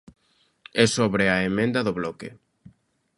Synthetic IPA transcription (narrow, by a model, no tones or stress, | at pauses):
ɛsoβɾɪaemẽnd̪ɐðʊβlɔkɪ̰